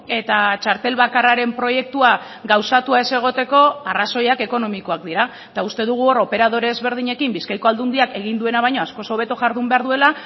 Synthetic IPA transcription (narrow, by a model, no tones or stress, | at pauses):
e̞t̪at͡ʃaɾt̪e̞lβakaraɾe̞mpɾo̞je̞k̚t̪ua | ɡawsat̪uae̞se̞ɣ̞o̞t̪e̞ko̞araso̞jake̞ko̞no̞miko̞akd̪iɾa | t̪aust̪e̞ðuɣ̞uo̞ɾo̞pe̞ɾað̞o̞ɾe̞ːzβe̞ɾð̞iɲe̞kimbiskajko̞ald̪und̪iake̞ɣ̞ind̪ue̞naβajɲo̞asko̞so̞β̞e̞t̪oʝaɾðumbe̞aɾðue̞la